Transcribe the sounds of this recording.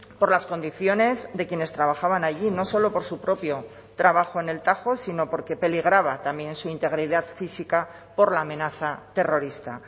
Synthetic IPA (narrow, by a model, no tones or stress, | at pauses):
po̞ɾlasko̞nd̪iθjo̞ne̞zðe̞kje̞ne̞st̪ɾaβ̞axaβanaʝino̞so̞lo̞po̞ɾsupɾo̞pjo̞ | t̪ɾaβaxo̞ene̞lt̪axo̞sino̞po̞ɾke̞pe̞liɣ̞ɾaβat̪ambjẽ̞nsuint̪e̞ɣ̞ɾiðaðfisika | po̞ɾlaːmẽ̞naθat̪e̞ro̞ɾist̪a